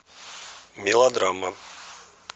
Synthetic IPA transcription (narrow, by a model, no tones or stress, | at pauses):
mʲilˠad̪ɾama